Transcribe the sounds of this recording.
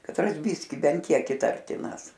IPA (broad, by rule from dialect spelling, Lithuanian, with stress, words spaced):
kɐtˈrɐs ˈbʲɪsʲkʲɪ ˈbʲɛnt ˈkʲiɛk ɪˈtɐrʲtʲɪnɐs